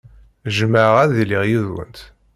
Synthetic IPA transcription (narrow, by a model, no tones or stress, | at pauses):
ʒəməʕʁæððiliʁjiðwə̰nt̪